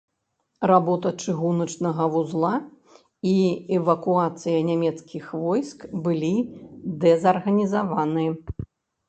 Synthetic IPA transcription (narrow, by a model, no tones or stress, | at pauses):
rabɔt̪ɐt͡ʂɨɣunɐt͡ʂnɐɣɐvuzlˠa | iɛvɐkuat̪sɨjɐnʲamʲɛt̪skʲixvɔjskbɨlʲid̪ɛzɐrɣɐnʲizavanɨjɐ